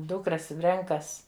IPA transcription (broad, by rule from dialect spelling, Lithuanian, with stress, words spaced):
ˈduːkrɐs ˈrʲɛŋkɐs